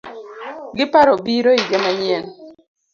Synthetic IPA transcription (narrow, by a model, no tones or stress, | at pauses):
ɡɪpaɾobiɾoid͡ʒɛmaɲɛn